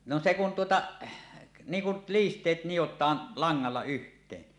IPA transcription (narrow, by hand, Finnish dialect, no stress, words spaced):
no se kun tuotɑ niːŋ kul liːstˑeːt nijotˑɑːn lɑŋːɑlːɑ yhtˑeːn